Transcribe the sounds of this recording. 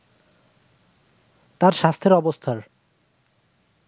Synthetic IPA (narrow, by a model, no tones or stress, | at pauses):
t̪aɾʃast̪ʰeɾɔbost̪ʰaɾ